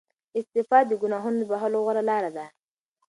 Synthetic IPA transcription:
ɪst̪ɪfɑd̪əɡʊnɑɦʊnod̪əbaɦaloɣaɾalɑɾad̪a

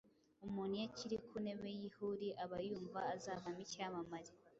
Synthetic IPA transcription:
umunijaciɾikʰune̞βejihuɾiʔaβajuːɱvaːzaːvamicamamaɾi

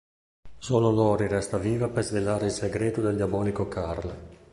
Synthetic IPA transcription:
soːlolɔːɾiɾɛst̪aviːvapezvelaːɾeilseɡɾeːt̪od̪eld̪jabɔːlikokarle

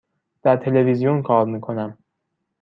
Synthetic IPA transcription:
d̪̥æɾt̪ʰe̞levizijonkʰɒːɾmiːkʰo̞næm

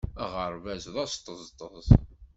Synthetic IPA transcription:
æʁəɾˤvæzðˤɑst̪ˤːəzˤt̪ˤːəzˤ

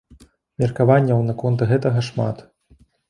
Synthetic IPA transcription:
mʲirkavanʲːɐwnɐkɔnt̪ɣɛt̪ɐɣɐʂma̰t̪

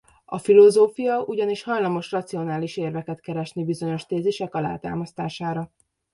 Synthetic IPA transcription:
ɒ̰filo̞zoːfijɒʔuɟɒniʃhɒjlɒmo̞ʃrɒt̪sio̞naːliʃeːrvɛkɛt̪kɛɾɛʃnibizo̞ɲo̞ʃt̪eːziʃɛkɒla̰ːt̪a̰ːmɒst̪aːʃaːɾɒ

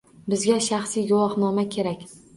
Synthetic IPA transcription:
bɪzɡʲaʃaχsijɡʊwɒχnɒmakʲʰe̞ɾakʲ

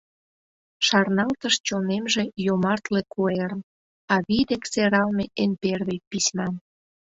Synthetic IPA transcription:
ʃɑrnɑlt̪əʃt͡ɕonemʒe̽jomɑrt̪lekʰueɾən | ɑβid̪ekseɾɑlmeʔenperβejpisʲmɑn

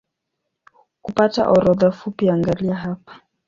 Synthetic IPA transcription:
kupata̰ʔɔɾɔðafupiaŋɡaliaɦapḁ

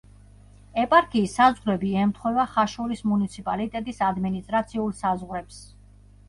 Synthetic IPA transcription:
ɛpʼaɾkʰʼiːsːazʁɾɛbiɛmt̪ʰχwɛvaχaʃɔɾismunit̪sʰipʼalit̪ʼɛt̪ʼisad̪minist̪ʼɾat̪sʰiulˠsazʁɾɛps

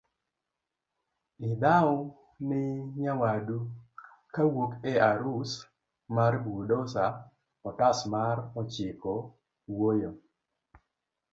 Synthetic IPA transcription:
ɪdaʊ | nɪɲawadu | kawokɛaɾus | maɾbudosa | ɔtasmaɾɔt͡ʃɪkɔ | wojo

